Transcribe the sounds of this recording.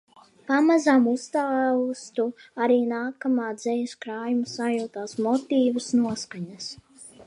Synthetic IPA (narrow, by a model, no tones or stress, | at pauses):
pamazamust̪awst̪uaɾiːnaːkamaːd̪z̥ɛjɐskɾaːjumusajuːt̪aːsmɔt̪iːvusnuɔskaɲas